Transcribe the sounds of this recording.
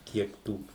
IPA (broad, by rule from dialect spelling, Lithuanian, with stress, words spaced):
ˈkʲiɛk tuː